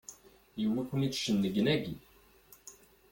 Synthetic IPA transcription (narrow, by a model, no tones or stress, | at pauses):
juwækʷənit͡sʃənːəɡnæɡi